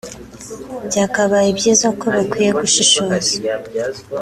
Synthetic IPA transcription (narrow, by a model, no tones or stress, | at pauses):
bɟaːkaβaibɟiːzako̞βikwiːje̞ɡuʃiʃoːza